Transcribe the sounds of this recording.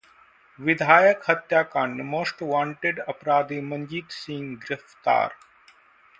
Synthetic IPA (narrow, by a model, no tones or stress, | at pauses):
ʋɪd̪ʱaːjəkhɐt̪jaːkaɳɖmoːsʈʋãːɳʈeɖɐpɾaːd̪iːmɐ̃ɲd͡ʒiːd̪sĩːŋɡɪɾɪft̪a̰ːɾ